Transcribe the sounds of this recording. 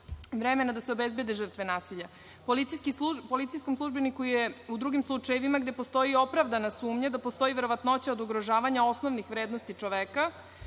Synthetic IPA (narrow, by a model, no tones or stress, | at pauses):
ʋɾemenad̪aseo̞bezbed̪eʒr̩t̪ʋe̞naːsiʎa | polit̪sijskiupo̞lit̪ijskomslˠuʒbenikujeud̪ɾuɡimslˠut͡ʂajeʋimaɡd̪e̞post̪o̞jio̞pɾavd̪anasuːmɲad̪apost̪o̞jiʋeɾo̞ʋat̪not͡ɕaod̪uɡɾoʒaːʋaɲao̞sno̞ʋnixʋɾeːd̪no̞st̪it͡ʃo̞ʋeka